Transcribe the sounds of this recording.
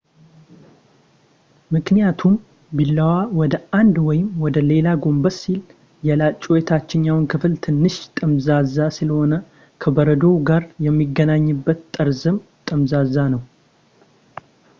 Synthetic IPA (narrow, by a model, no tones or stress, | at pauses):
mɨknijat̪ʰum | bilːəwawɔd̪əʔand̪wɔjɪmwɔd̪əle̞laɡombəsil | jɛlat͡ʃʼojɛt̪ʰat͡ʃːɪɲːawnkʰɨfɨlt̪ʰɨnːɨʃt̪ʼəmzazasɨləho̞nə | kʰəbəɾəd̪oɡaɾjɛmːiɡːənaɲːɨbːət̪t̪ʼːəɾzɨmt̪ʼəmzazanəw